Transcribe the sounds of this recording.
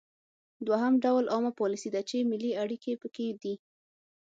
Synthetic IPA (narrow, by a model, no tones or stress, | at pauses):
d̪waɦamɖawlʔɑmapɔlisid̪at͡ʃemɪliaɽikepəked̪i